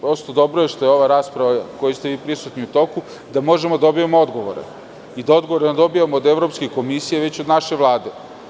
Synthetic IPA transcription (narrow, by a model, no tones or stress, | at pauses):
pɾo̞st̪od̪o̞bɾoje̞ʃt̪o̞jeoʋaɾaːspɾaʋako̞jist̪e̞ʋiːpɾisut̪niut̪o̞ku | d̪amo̞ʒemod̪aobijamoo̞d̪ɡo̞ʋo̰ɾḛ | id̪ao̞d̪ɡoʋoɾenad̪o̞bijamoːd̪evɾopskeko̞misijaʋe̞t͡ɕod̪naʃe̞ʋlˠaːd̪e̞